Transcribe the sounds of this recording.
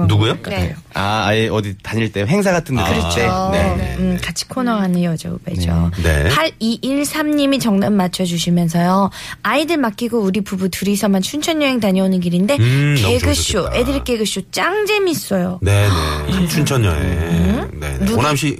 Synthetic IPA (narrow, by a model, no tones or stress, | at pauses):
nuɡujokeoaaiʌditaɲiɭt͈e̞joɦeŋs̬ʰaɡatʰɯndɯt͡ɕeekat͡ɕʰi̥kʰonʌŋɦanɯjʌd͡ʑa̰ɡo̰bed͡ʑonḛhaɾiʔiɭsʰamɲimit͡ɕʌŋnamːat͡ɕʰʌd͡ʑuɕ̬ʰimjʌns̬ʰʌjo | aidɯɭmak͈iɡouɾipubutʰɯɾisʰʌmant͡ɕʰunt͡ɕʰʌɲjʌɦeŋtaɲʌonɯnkiɾinde̞keɡɯɕ͈uedɯɭk͈e̞ɡɯɕ͈ut͡ɕ͈aŋd͡ʑemis͈ʌjonenḛt͡ɕʰunt͡ɕʰʌɲjʌ̰ɦḛnḛunamɕ͈i